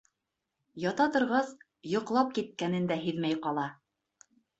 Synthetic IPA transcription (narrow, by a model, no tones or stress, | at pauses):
jɑt̪ɑt̪ŏɾʁɑs | jŏqlˠɑp̚kit̪̚kænɘ̆nd̪æɦɘðmæjqɑlˠɑ